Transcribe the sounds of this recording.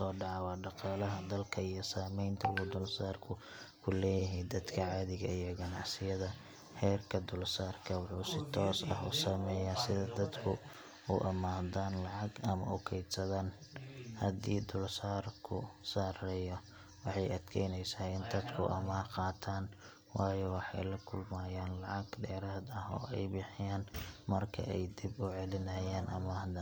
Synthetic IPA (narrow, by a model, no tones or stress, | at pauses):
sɔːɖɑʕɑwɑːɖɑqɑːlɐɦɐd̪ɐlkʰɐijɔsaːmɛjnt̪ʰɐ̰ɡʊd̪ʊlsaːrkʰʊ | kʰʊlɛːjɪɦɛjd̪ɐd̪kʰɐʕɑːðɪɣɐijɔɡɐnɑʕsɪjɐðɐ | hɛːrkʰɐd̪ʊlsaːrkʰɐwɑħuːsɪt̪ʰɔːsɐ̰ɦʊ̰ːsɐmɛːjaːsɪðɐd̪ɐd̪kʰʊ | ʊ̰ʔɐmaːðaːnlɑʕɑɡɐmɐ̰ʊkʰɛjd̪sɐðaːnhɐd̪iːd̪ʊlsaːrkʰʊsaːɾɛjɔ | wɑħɑjɐd̪kʰɛjnɛjsaːɪnd̪ɐd̪kʰʊʔɐmaːrqɑːt̪ʰaːn | wɑːjɔwɑħɑ̰jlɐkʰʊlmaːjaːnlɑʕɑɡɖɛːɾaːd̪ɐɦɔ̰ːʔɛjbɪħɪjaːnmɐrkʰɐ̰ɛjd̪ibʊʕɛlɪnɐjaːnʔɐmaːɦd̪aːn